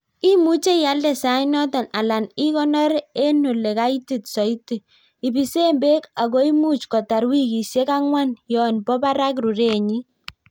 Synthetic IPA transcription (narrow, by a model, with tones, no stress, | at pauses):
i˦mu˦t͡ʃe˦ja˦ldɛ˨sa˨˦i˦nɔ˦ta˨na˨la˨ni˦kɔ˦nɔ˦ɾe˦nu˨le˨ka˦i˦ti˨tsɔ˨i˦ti˨ | i˨bi˨se˦mbe˦ka˨ɡɔ˦i˦mu˦t͡ʃkɔ˨ta˨ɾwi˦ki˨sje˦ka˦ŋwa˦njɔ˨nbɔ˦ba˦ɾa˦kɾu˨ɾe˦˨ɲi˦